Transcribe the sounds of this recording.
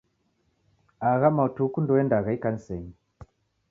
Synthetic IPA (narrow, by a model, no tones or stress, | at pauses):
aɣamautukundɔɛndaɣaikan̩sɛɲi